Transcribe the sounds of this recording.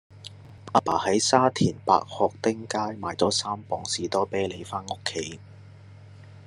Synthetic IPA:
ʔaː˧pa̰ː˨˩hɐ˨˥jsaː˥t̪ʰiː˨˩npa̰ː˧k̚hɔː˨˧k̚t̪ɪ˥ŋkaː˥jmaː˨˩jt͡sɔː˨˥saː˥mpɔː˨ŋsiː˨t̪ɔː˥peː˥jle˨˧jfaː˥no˥kʰːe˨˥j

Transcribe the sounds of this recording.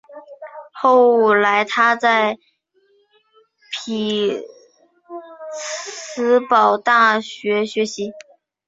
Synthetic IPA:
xo˥˧ʊu˨˩la˧˥ɪt̪ʰa˥t͡sa˥˩ɪ | pʰi˨˩ | t͡sʰɹ̩˧˥pɑ˨˩ʊt̪a˥˩ɕɥɛ˧˥ɕɥɛ˧˥ɕi˧˥

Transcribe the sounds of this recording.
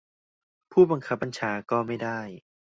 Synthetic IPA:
pʰuː˥˩ba˧ŋkʰa˦˥p̚ːa˧nt͡ɕʰaː˨˦kɔː˥˩ma˥˩jdaː˥˩j

